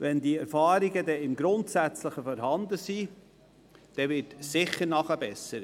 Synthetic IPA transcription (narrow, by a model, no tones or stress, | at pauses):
ʋɛndiːɛɾfɑːɾiɡədɛɪmɡɾʊntsæt͡sləχəfɔɾɦɑnd̪əsi | d̥ɛvɪtsɪχːəɾnɑχəbɛsəɾ